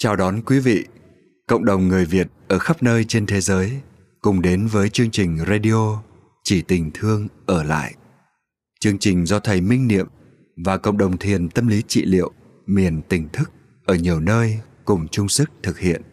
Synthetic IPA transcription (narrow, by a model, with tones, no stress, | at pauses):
t͡ɕaː˨˩wɗɔ˨˦nkwi˨˦vḭ˧˨ | kə̰˧˨wŋ͡mɗə˨˩wŋ͡mŋɨ˨˩əjvi˨˩ət̚ʔəː˧˩xa˦˥p̚nəː˧jt͡ɕe˧nt̪ʰe˨˦zəː˨˦j | kʊ˨˩ŋ͡mɗe˨˦nvəː˨˦jt͡ɕɨ˧əŋt͡ɕï˨˩ŋ̟za˧ɗi˧o˧ | t͡ɕi˧˩t̪ï˨˩ŋ̟t̪ʰɨ˧əŋʔəː˧˩la̰ː˧˨jʔ | t͡ɕɨ˧əŋt͡ɕï˨˩ŋ̟zɔ˧t̪ʰə˨˩jmï˧ŋ̟nḭ˧˨əm | vaː˨˩kə̰˧˨wŋ͡mɗə˨˩wŋ͡mt̪ʰi˨˩ənt̪ə˧mli˨˦t͡ɕḭ˧˨lḭ˧˨əw | mi˨˩ənt̪ï˨˩ŋ̟t̪ʰɨ˦˥k̚ | ʔəː˧˩ɲi˨˩əwnəː˧j | kʊ˨˩ŋ͡mt͡ɕʊ˧ŋ͡msɨ˦˥k̚t̪ʰɨ˨˩k̚hḭ˧˨ən